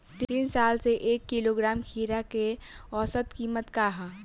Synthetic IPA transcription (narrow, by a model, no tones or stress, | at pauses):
t̪insaːlseʔeːkːiloɡɾaːmkʰiːɾakeɔːsət̪kimət̪kaɦa